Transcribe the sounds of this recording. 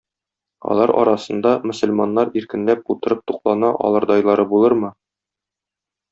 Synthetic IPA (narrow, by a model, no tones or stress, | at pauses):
ɒ̰lˠɑɾɒ̰ɾɑsɤ̆nd̪ɑmɵ̆sɵ̆lmɑnːɑɾiɾkɘ̆nlæp̚ut̪ɤ̆ɾɤp̚t̪uqlˠɑnɑʔɒ̰lˠɤ̆ɾd̪ɒjlˠɑɾɤbulˠɤɾmɤ